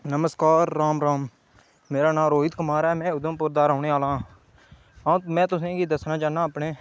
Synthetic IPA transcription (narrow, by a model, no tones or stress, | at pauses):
nəməskaːɾːaːmɾaːmː | eːɾaːnãːmɾoːɦɪt̪kəmaːɾɛːmɛ̃ːʊd̪əmpʊɾd̪aːɾãːɳeːaːlãː | ɦãːmɛ̃ːt̪ʊsẽːɡiːd̪əsnãːt͡ʃaːnãːəpneː